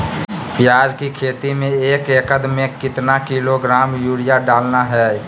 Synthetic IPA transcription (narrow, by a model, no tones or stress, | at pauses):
pjaːd͡ʒkikʰeːt̪imẽeːkeːkəd̪mẽkɪt̪nakiloɡɾaːmjuːɽijaɖaːlnaɦɛː